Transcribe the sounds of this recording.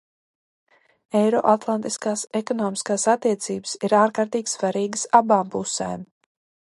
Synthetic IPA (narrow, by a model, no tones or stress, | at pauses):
ɛjɾɔ̰ʔat̪lˠant̪iskaːsɛkɔnɔːmiskaːsat̪ːiɛt̪siːbə̥siɾaːɾkaɾt̪iːɡʲsvaɾiːɡəsabaːmpusɛ̰ːm